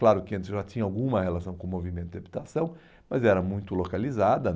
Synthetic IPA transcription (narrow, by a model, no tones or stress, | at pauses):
klaɾʊkɪɐ̃nt̪ɪzʒatĩɲɐawɡũmɐhelasɐ̃w̃kõmovimẽnt̪ʊd̪ɪabit̪asɐ̃w̃ | mɐzɛɾɐmũj̃t̪ʊlokalizad̪ɐ